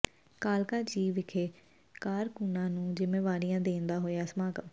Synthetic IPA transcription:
kaːlkaːd͡ʒiːʋɪkʰeː | kaːɾkuːnãːnũːd͡ʒɪmeːʋaːɾijãːd̪ẽːnd̪aːɦoːjaːsmaːɡə

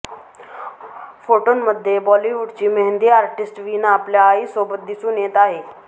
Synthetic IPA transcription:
pʰoːʈoːnməd̪ʱeːbɔːliːʋuɖt͡ʃiːməɦɪ̃nd̪iːaːɾʈɪsʈʋiːnãːəpljaːiːsoːbət̪̚d̪isuːneːt̪aːɦeː

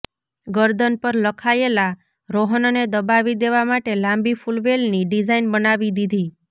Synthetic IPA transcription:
ɡəɾd̪ənpəɾləkʰaela | ɾoɦənoned̪əbaʋid̪eʋamaʈelãmbifulʋelniɖid͡ʒainbənaʋid̪id̪ʱi

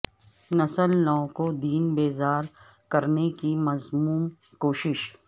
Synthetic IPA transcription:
nɐsəlnɔ̃ːkod̪iːnbeːzaːɾ | kɐɾnekimɐzmuːm | koːʃɪʃ

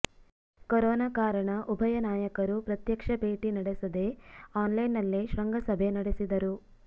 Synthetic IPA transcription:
koɾɔːnaːkaːɾɐɳɐʔubʱɐjɐnaːjɐkɐɾupɾɐt̪jɐkʂɐbʱe̞ːʈinɐɽesɐd̪e̞aːnlɐjnːɐlːiʃɾɐŋɡʱɐsɐbʱe̞nɐɽesid̪ɐɾu

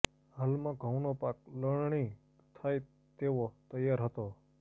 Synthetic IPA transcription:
halmãɡʱə̃wnopak̚ləɽɳ̃i | t̪ʰaj | t̪eʋot̪əjːaɾɦət̪o

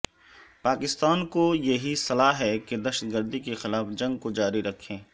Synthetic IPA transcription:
paːkɪst̪aːnkojɐɦisɐlaːɦɛked̪ɐʃət̪̚ɡəɾd̪ikexɪlaːfd͡ʒɐ̃ŋɡkod͡ʒaːɾiɾɐkʰːẽː

